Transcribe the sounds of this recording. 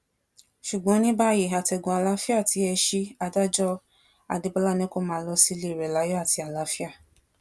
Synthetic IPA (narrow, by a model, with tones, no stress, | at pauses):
ʃu˨ɡ͡bɔ̃˨˦nĩ˦ba˦ji˨a˨tɛ˨ɡũ˨a˨la˨˦fi˦a˦˨ti˨˦ɛ˧ʃi˧a˧da˦d͡ʒɔ˦ | a̰˨de˨˧˦ba˦la˦˨nɛ̃˦ko˦˨mãː˨˦lɔ˧si˦le˦˨ɾɛ˨la˨˦jɔ˦a˦˨ti˧a˨la˨˦fi˦a˦˨